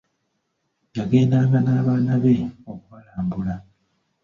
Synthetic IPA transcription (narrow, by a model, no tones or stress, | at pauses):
jake̞ːndaːŋɡanaːβaːnaβe̞okuβalaːmbula